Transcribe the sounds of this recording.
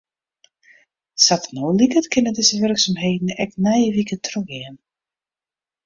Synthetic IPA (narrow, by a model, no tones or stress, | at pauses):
satənoːlikətkʰɪnədɪzəʋʏrksamɦeːdn̩ɛk̚nɛjəʋikətʰrøxɪən